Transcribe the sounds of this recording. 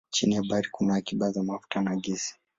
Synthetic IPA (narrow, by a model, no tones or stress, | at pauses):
t͡ʃinijabaɾikunaːkiɓazamafu̥tanaɡisi̥